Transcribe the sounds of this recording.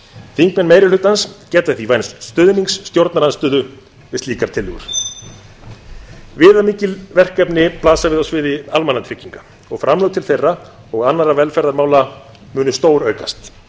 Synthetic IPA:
θiŋkmɛnːmeːjɾɪlʏt̪ːanscɛːt̪aθivajnsst̪ʏðniŋksːt̪jowɾt̪naɾanst̪ʏːðʏ | vɪsliːkaɾ̥t̪ʰɪlʏɣʏɾ̥ | vɪːðamiːcɪlvɛr̥kːɛpnɪplaːsavɪðɔsvɪðɪalmanːat̪ʰɾɪcːiŋkḁ | ɔɣfɾʔamlœwt̪ʰɪlθejrːa | ɔɣanːaɾavɛlfɛɾðaɾmaːwla | mʏːnʏst̪oːwɾœɥka̰st̪

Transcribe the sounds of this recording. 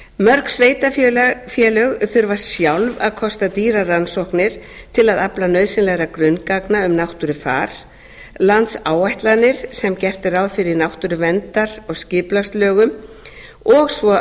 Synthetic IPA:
mœɾksveːjt̪affjɛlœɣθʏɾvḁsjawlvaðkʰɔst̪at̪iːɾaransɔhknɪɾ̥t̪ʰɪlaðaplanœɥðsɪnlɛɣɾakɾʏnkaknaʏmnawht̪ʏɾʏfa̰ːɾ̥ | lant̪saːwajht̪lanːɪɾ̥sɛmcɛr̥t̪ɪɾawðfɪɾɪɾnawht̪ʏɾʏvɛnt̪aɾɔɣscɪːplast̪lœːɣʏm | ɔɣsvɔ

